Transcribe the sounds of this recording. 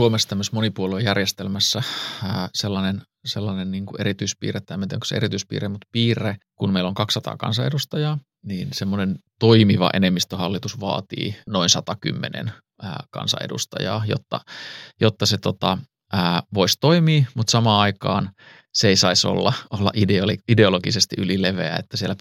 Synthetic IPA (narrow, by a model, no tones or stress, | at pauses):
suomesːt̪æmːøsmonipuoluejærjest̪elmæsːæəːselːɑnen | selːɑnenniːŋkuʔeɾit̪yispḭːret̪ːæemːæet̪ieŋko̥sḛeɾit̪yispḭːremut̪piːrekunmeiloŋkɑksːɑt̪ɑ̰ːkɑ̰nsɑedust̪ɑjɑː | niːnsemːonent̪oimiʋɑ̰ʔenemːist̪øhɑlːit̪usʋɑ̰ːt̪ḭːnoinsɑt̪ɑky̰mːenḛn | ə̰ːkɑ̰nsɑ̰ḛdṵst̪ɑ̰jɑ̰ːjo̰t̪ːɑ̰jot̪ːɑset̪ot̪ɑ | əːʋoist̪oimiːmut̪sɑmɑːɑikɑ̰ːn | seeisɑiso̰lːɑolːɑ̰ʔideolideoloɡisest̪iʔylileʋḛæ̰et̪ːæsielæ